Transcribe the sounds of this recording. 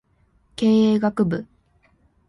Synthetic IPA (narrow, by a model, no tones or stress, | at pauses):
ke̞ːeːɡakɯ̟bɯ̟